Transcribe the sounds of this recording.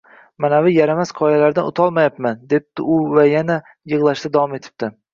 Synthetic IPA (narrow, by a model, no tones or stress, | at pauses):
manavɪjaɾamasqʰɒjalaɾd̪anʊ̰t̪ʰɒlˠmajapmand̪e̞p̚t̪ɪʊvajana | jɨʁlˠaʃd̪ad̪avɒme̞t̪ʰɪ̥p̚t̪ɪ